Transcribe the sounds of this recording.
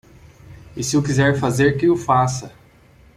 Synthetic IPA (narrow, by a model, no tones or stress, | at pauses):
ɪsɪʊkizɛɾfazeɾkɪʊfasɐ